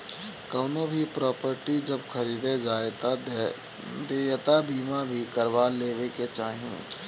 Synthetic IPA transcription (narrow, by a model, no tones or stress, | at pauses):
kɐːnobʱipɾɔːpəɾʈid͡ʒɐbxʰɐɾiːd̪ed͡ʒaːt̪ | d̪eːjt̪abiːmabʱikɐɾʋaleːʋeket͡ʃaːɦiṵ̃